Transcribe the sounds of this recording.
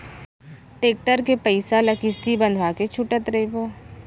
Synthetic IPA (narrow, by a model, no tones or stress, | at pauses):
ʈeːk̚ʈəɾkepəɪsalɐkɪst̪ibɐ̃nd̪ʱwaket͡ʃʰʊʈət̪ɾɐipoː